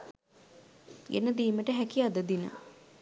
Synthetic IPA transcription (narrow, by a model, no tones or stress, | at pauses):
ḛnəd̪iːməʈəɦækiad̪əd̪inə̰